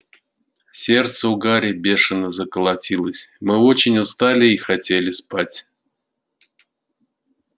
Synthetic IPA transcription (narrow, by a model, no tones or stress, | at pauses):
sʲe̞rt̪səʊɡaɾʲɪbʲe̞ʂɨnəzəkəlˠɐtʲilˠəsʲmɨo̞t͡ɕɪnʲʊst̪alʲɪixɐtʲelʲɪspatʲ